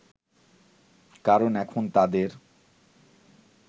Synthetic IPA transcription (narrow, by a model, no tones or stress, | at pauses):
kaɾonɛkʰont̪ad̪eɾ